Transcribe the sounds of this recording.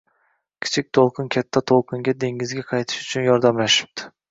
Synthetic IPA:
kʲʰi̥t͡ʃʰik̚ʲt̪ʰolˠqʰɨnkʲʰat̪ʰːat̪ʰolˠqʰɨŋɡʲad̪e̞ŋɡʲɪzɡʲaqʰɑjt̪ʰɪ̥ʃʊt͡ʃʰʊnjɒɾd̪amlaʃɪ̥p̚t̪ʰɪ̥

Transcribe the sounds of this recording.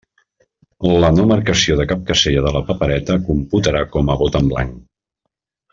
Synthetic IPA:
lənoməɾkəsioðəkap̚kəseʎəðələpəpəɾɛt̪əkumput̪əɾakɔməβot̪əmbla̰ŋ

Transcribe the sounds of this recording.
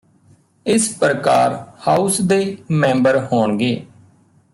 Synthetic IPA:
ɪspɾəkaːɾhaːusd̪eːmɛ̃ːmbəɾhoːɳɡeː

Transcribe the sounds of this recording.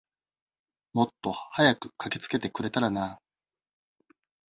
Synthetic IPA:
mo̞t̪ːo̞hajakɯ̟̥kakʲe̞̥t͡sɨ̥ke̞t̪e̞kɯ̟ɾe̞t̪aɾanaː

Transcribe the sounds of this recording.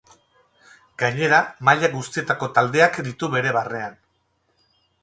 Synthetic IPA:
ɡaɲe̞ɾamaʎaɡust̪ie̞t̪ako̞t̪ald̪e̞akd̪it̪uβe̞ɾe̞βare̞an

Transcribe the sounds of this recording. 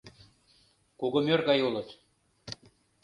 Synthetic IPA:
kuɣŏmørɣɑjulə̆t̪

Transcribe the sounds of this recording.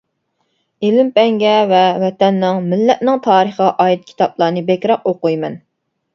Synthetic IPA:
elɪmpɛŋɡʲɛvɛwɛt̪ɛnːɪŋmɪlːɛt̪nɪŋt̪ʰɑːɾəχɑʔɑːit̪̚kʲʰi̥t̪ʰɑplˠɑːnɨbekʲɾɑq̚oqujmɛn

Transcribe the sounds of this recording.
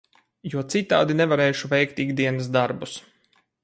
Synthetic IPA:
juɔt̪sit̪aːd̪inɛvaɾɛːʃuvʲɛjkt̪iɡd̪iɛnəsd̪aɾbus

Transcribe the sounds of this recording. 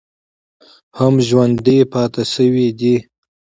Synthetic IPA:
hamʒwand̪epɑːt̪asəwid̪i

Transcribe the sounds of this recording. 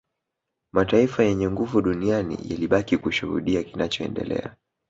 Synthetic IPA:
mataifajɛɲɛŋɡuvuɗunianḭja̰liɓakikuʃuhṵɗiakinat͡ʃɔɛ̰ndɛ̰lɛ̰a̰

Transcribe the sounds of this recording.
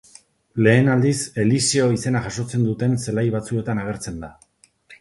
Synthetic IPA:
le̞ːnald̪ise̞liseo̞ise̞naʝaso̞t͡se̞nd̪ut̪e̞nse̞lajβat͡sue̞t̪anaɣ̞e̞ɾt͡se̞nd̪a

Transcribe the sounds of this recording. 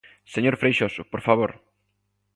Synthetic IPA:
seɲoɾfɾejʃosʊpoɾfaβoɾ

